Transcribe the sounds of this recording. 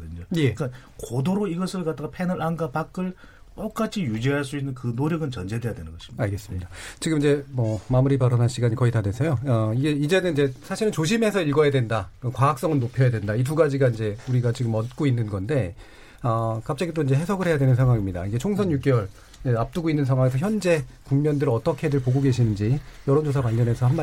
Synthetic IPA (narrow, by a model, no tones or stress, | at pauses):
dɯɲoje̞ka | kodoɾoiɡʌsʰɯɭkat͈aɡapʰe̞nɯɾanɡapak͈ɯɭ | t͈ok͈at͡ɕʰijud͡ʑiɦaɭs͈uinːɯnkɯnoɾjʌɡɯnt͡ɕʌnd͡ʑe̞dwe̞jadwe̞nɯnɡʌɕʰi̥iaɭɡe̞s͈ɯ̥mɲidat͡ɕiɡɯmid͡ʑe̞mʌmamuɾibaɾʌnanɕʰiɡaɲikʌitanwe̞sʰejoʌiɡe̞id͡ʑe̞nɯnid͡ʑe̞sʰaɕʰiɾɯnt͡ɕoɕ̬ʰime̞sʰʌiɭɡʌjadwe̞ndaɯkwaak̚s͈ʌŋɯnnopʰjʌjadwendait̬uɡad͡ʑiɡaind͡ʑe̞uɾiɡat͡ɕiɡɯmʌt̚k͈oinːɯnɡʌnde̞ | ʌkap̚t͡ɕ͈aɡidoind͡ʑe̞ɦe̞sʰʌɡɯɭhe̞jadwe̞nɯnsʰeŋɦwaŋimɲida̰iɡe̞t͡ɕʰoŋsʰʌnjuk͈jʌɭ | eap̚t͈uɡoinːɯnsʰaŋwaŋesʰʌçjʌnd͡ʑe̞ | kuŋmʌndɯɾʌt͈ʌkʰedɯɭpoɡoɡe̞ɕʰinɯnd͡ʑijʌɾʌnd͡ʑos̬ʰapwaɭɡjʌnɦe̞sʰʌhanba